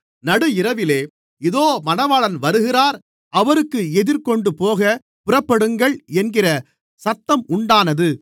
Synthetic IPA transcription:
nɐɽɯɪɾɐʋɪleː | ɪðoːmɐnɐʋaːɭɐnʋɐɾɯɣɪraːɾ | ɐʋɐɾɯkːɯɛðɪɾkɔɳɖɯpoːɣɐ | pʊrɐpːɐɽɯŋɡɐɭɛnɡɪrɐ | sɐt̪ːɐmʊɳɖaːnɐðɯ

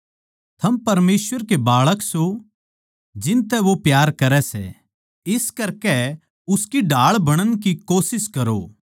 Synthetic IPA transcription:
t̪ʰɐmpɐɾmeːsʋəɾkebaːɭəkso | d͡ʒɪ̃nt̪ɛʋopjaːɾkɐɾɛsɛ̰ | ɪskɐɾkɛ | ʊskiɖʱaːɭbɐɽ̃ənk̬ikoːsɪskɐɾoː

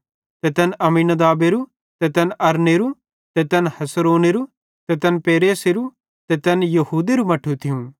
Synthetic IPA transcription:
t̪ɛt̪ɛnʔɐmiːnɐd̪aːbeɾu | t̪ɛt̪ɛnɐɾneɾu | t̪ɛt̪ɛnhɐsɾoːneɾu | t̪ɛt̪ɛnpeːɾeːseɾu | t̪ɛt̪ɛnjɐɦuːd̪eɾumɐʈʰut̪ʰɪjũ

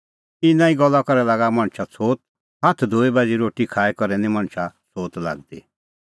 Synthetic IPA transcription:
ɪnãːĩɡɔlːakɔɾɛlaːɡamɐɽ̃t͡ʃʰat͡sʰoːt̪̚ | ɦat̪ʰd̪ʱoːibad͡ʒiɾoːʈikʰaːɛkɔɾɛnĩmɐ̃ɽ̃t͡ʃʰat͡sʰoːt̪la̰ːɡ̚d̪ḭ

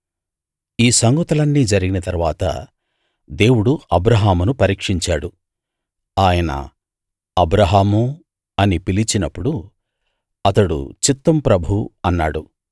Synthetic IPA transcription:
iːsɐŋɡut̪ɐlɐnːiːd͡ʒɐɾiɡinɐt̪ɐɾʋaːt̪ɐ̰ | d̪e̞ːwuɽuɐbɾɐɦaːmunupɐɾiːkʂiɲt͡ʃaːɽu | aːjɐnɐ̰ | ɐbɾɐɦaːmu | ɐnipilit͡ʃinɐpːuɽu | ɐt̪ɐɽṵt͡ʃit̪ːɐmpɾɐbʱuɐnːaːɽu

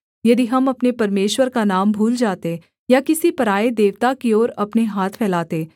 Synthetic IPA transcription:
jɐd̪iɦɐmɐpnepɐɾmeːʃwəɾkanaːmbʱuːld͡ʒaːt̪e | jakɪsipɐɾaːed̪eːʋt̪akioːɾɐpneɦaːt̪ʰpʰɛːlaːt̪eː

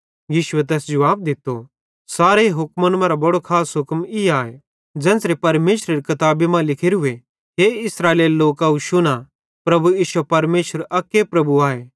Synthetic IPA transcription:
jiːʃʊet̪̬ɛːsd͡ʒɐʋaːb̚d̪ɪt̪ːo | saːɾeɦʊkmɐnmãɾabɐɽokʰaːsɦʊkmiaːe | d͡ʒɛ̃ːnsɾepɐɾmeːʃɾəɾikɐt̪aːbemãlɪkʰeɾɦʊe | ɦeːɪsɾaːeːleːloːkaɦuʃʊna | pɾɐbujiːʃepɐɾmeːʃəɾɐkːepɾɐbuaːeː

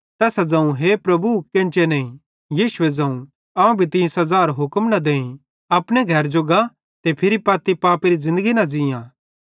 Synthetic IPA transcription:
t̪ɛːsad͡zɐ̃ːũɦepɾɐbukɪ̃nt͡ʃenɐĩ | jiːʃʊed͡zɐ̃ːũ | ɐːũbʱit̪ĩːnsɦɐzaːɾɦʊkmnɐd̪eːĩ | ɐpɽ̃eɡʱɐɾd͡ʒoɡa | t̪epʰɪɾipaːt̪ipaːpeɾizɪ̃nd̪əɡinɐd͡zɪ̃jãː

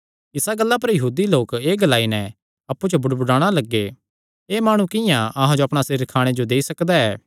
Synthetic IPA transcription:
ɪsaɡəlːapɐɾjɐɦuːd̪iloːkeːɡɐlaːinɛ | ɐpːut͡ʃobʊɽbʊɽaːɽ̃alɐɡːe | eːmaːɽ̃ũkɪjãɐɦãd͡ʒoɐpɽ̃asɪɾkʰaːɽ̃ed͡ʒod̪eːisɐkd̪aɛː

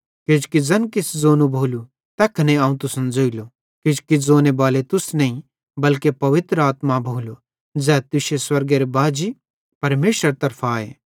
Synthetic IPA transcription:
kɪd͡ʒkid͡zɐnkɪsd͡zoːnũbʱoːlu | t̪ɛːkʰneaːũt̪ʊsənd͡zoːilo | kɪd͡ʒkid͡zoːnebaːlet̪ʊsnɐĩ | bɐlkepɐʋɪt̪ɾəaːt̪mabʱoːlo | d͡zɛːt̪ʊʃeswɐɾɡeɾebaːd͡ʒi | pɐɾmeːʃəɾt̪ɐɾpʰaːḛː

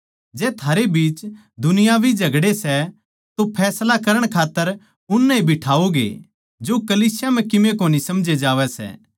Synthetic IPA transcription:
d͡ʒɛːt̪ʰaːɾebiːt͡ʃ | d̪ʱʊnɪjabʱid͡ʒɐɡɽesɛ | t̪opʰɛːslakɐɾəɽ̃kʰaːt̪ːəɾ | ʊnːɛibʱɪʈʰaːoɡḛ | d͡ʒokɐliːsɪjam̤ɛ̃kɪmẽkoːnisɐmd͡ʒed͡ʒaːʋɛsɛ̰ː

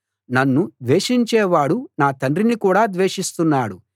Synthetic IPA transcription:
nɐnːud̪ʋe̞ːʂiɲt͡ʃɛːʋaːɽunaːt̪ɐɳɖɾinikuːɽaːd̪ʋeːʂist̪unːaːɽu

